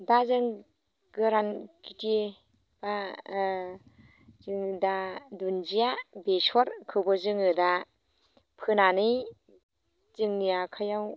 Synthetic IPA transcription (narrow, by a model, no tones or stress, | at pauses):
dazɯŋ | ɡɯɾankite | b̥a | zɯŋɯdadunzijabesɔɾkʰɯbɔzɯŋɯda | pʰɯnanɯj | zɯŋnijakʰajaw